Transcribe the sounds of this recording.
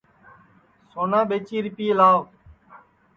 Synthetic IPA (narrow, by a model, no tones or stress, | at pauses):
soːnãːɓeːt͡ʃiːɾɪpiːlaːʋ